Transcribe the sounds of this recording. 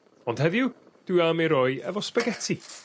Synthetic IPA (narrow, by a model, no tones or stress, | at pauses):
ɔnd̥hɛðɪʊ | d̥ɪwamiɾɔɨɛ̰vɔspəɡɛtʰi